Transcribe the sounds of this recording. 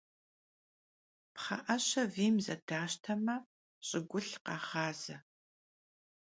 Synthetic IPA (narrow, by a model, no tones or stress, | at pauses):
pχɐ̰ʔɐɕɐviːmzɐ̰daːʃtʰɐmɐ | ɕʼɪɡʷʊɬqɑːχɑːz̥ɐ